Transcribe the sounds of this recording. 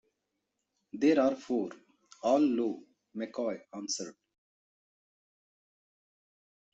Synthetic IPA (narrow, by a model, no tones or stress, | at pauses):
d̪eːɾaːɾfoːɾ | aːlːoː | mɛkɔːjansəɾɖ̚